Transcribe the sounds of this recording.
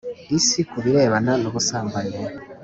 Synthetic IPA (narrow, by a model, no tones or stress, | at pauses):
isikuβiɾe̞ːβananoβusaːmbaɾiɾe